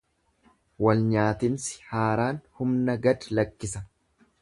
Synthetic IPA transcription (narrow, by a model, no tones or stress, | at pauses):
wɐlɲaːt̪ɪnsɪ̥haːɾaːnhʊmnɐɡɐd̪lɐkːɪsɐ